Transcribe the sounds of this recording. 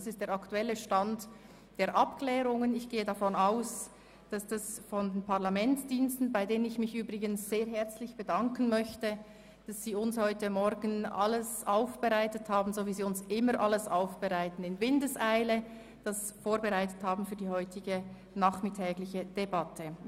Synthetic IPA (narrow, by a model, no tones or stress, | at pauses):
sɪst̚d̥eːɐɾɑktuɛləʃtant | d̥eːɐɾʔapkʰlɛːʁʊŋənɪçɡ̥eːədafɔnaʊs | d̥asd̥asfɔndenpaʁlamɛntt͡sd̥iːnstn̩baɪdeːnənɪçmɪçʔyːbʁɪɡənsz̥eːɐɦɛɐt͡slɪçb̥ədɑŋkən̩mœçtə | d̥asz̥iːʊnshɔʏtəmɔɾɡən̩a̰ləsaʊfb̥əʁaɪtəthaːbn̩zoviːziːʊnsʔɪməʔaləsaʊfb̥əʁaɪtn̩ɪnvɪndəsaɪlə | d̥as | foːɐbəʁaɪtəthaːbn̩fyːɐdiːhɔʏtɪɡə | naːχmɪtʰɛːɡlɪçəd̥ebatʰə